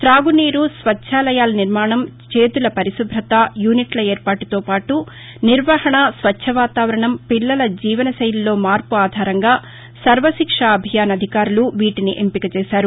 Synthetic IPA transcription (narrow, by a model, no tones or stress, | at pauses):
t̪ɾaːɡuniːɾusʋɐt͡ʃːʃʰaːlɐjaːlɐniɾmaːɳɐmt͡ʃe̞ːt̪ulɐpɐɾisubʱɾɐt̪ɐjuːniʈlɐeːɾpaːʈut̪o̞ːpaːʈu | niɾʋɐhɐɳɐsʋɐɐʋaːt̪aːʋɐɾɐɳɐmpilːɐlɐd͡ʒiːʋɐnɐsɐjɐlːo̞ːmaːɾpuaːd̪ʱaːɾɐŋɡaː | sɐɾʋɐsikʂaɐbʱijaːnɐd̪ʱikaːɾuluʋiːʈiniʔempikɐt͡ʃɛːsaːɾu